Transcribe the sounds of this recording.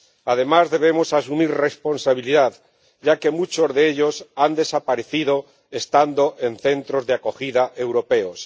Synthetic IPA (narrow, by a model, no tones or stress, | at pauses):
að̞e̞mazðe̞β̞e̞mo̞sas̬umiɾre̞spo̞nsaβ̞iliðað | ɟ͡ʝake̞mut͡ʃo̞zðeeʎo̞sand̪e̞sapaɾe̞θiðo̞ | est̪and̪o̞ʔe̞nθe̞nt̪ɾo̞zðeako̞xiðaʔe̞wɾo̞pe̞os